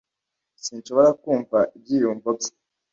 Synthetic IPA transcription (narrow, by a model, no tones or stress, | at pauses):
sinʃo̞βo̞ɾakuːɱvaʔib̚ɟiːjuːɱvob̚je̥